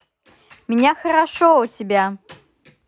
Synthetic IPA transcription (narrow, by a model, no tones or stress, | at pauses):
mʲnʲaxɐɾaʂɔut͡sʲibʲa